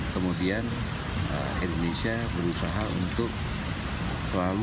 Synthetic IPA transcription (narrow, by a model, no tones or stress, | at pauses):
kəmudian | ə̰ | ḭndonesiabəɾusaɦaṵnt̪ʊk̚ | səlal